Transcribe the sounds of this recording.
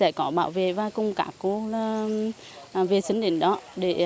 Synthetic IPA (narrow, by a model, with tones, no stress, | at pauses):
ɛ̰˧˩kɔ˨˦ɓaː˧˩˨wvḛ˧˨vaː˧kʊ˧˩ŋ͡mka̰ː˧˩kku˧˩la˧˩˨ | ve˨˩si˨˦ŋɗḭ̈˧˨ŋ̟ɗɔ˨˦ɗe˧˩˨